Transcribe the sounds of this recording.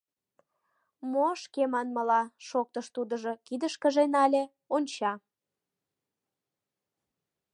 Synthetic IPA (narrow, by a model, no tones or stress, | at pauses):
moʃkemɑnməlɑʃok̚t̪əʃt̪ud̪əʒokid̪əʃkəʒenɑlʲe | onʲt͡ɕɑ